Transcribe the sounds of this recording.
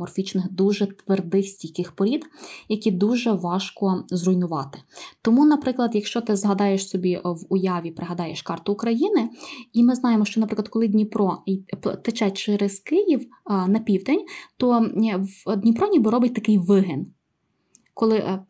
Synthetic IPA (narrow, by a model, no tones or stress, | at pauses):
ɔrfʲit͡ʃnɪxd̪uʒɛt̪ʋerd̪ɪxsʲtʲijkɪxpɔɾʲid̪jɐkʲid̪uʒɛʋɑʃkɔzrʊjnʊʋɑt̪ɪ̥t̪ɔmunɐpɾɪklˠɐd̪jɐkʃt͡ʃɔt̪ɪzɦɐd̪ɑjeʃsɔbʲiʋʊjɑʋʲipɾɪɦɐd̪ɑjeʃkɑrt̪ʊːkɾɐjinɪimɪznɑjemɔʃt͡ʃɔnɐpɾɪklˠɐd̪̚kɔlˠɪdʲnʲipɾɔpt̪et͡ʃɛt͡ʃɛɾɛz̥kɪjiw | nɐpʲiwd̪enʲt̪ɔ | d̪ʲnʲipɾɔnʲibɔɾɔbɪtʲt̪ɐkɪjʋɪɦɛn | kɔlˠɪ